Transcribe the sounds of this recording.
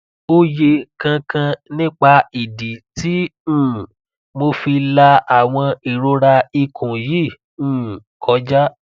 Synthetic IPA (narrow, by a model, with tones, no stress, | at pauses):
o˦je˧kã˧kã˧nĩ˦k͡pa˧i˨di˨ti˨˦ũ˦˨ | mo˧fi˧la˧a˨w̃ɔ̃˧i˨ɾo˧ɾa˧i˧kʰũ˨ji˦˨ | ũː˦˨kʰɔ˨˦d͡ʒa˦